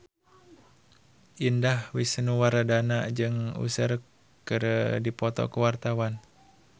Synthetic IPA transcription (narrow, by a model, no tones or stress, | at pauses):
ʔindahwisənuwaɾadanad͡ʒɨŋṵsər | kɨɾədipɔt̪ɔ̰kəwart̪awan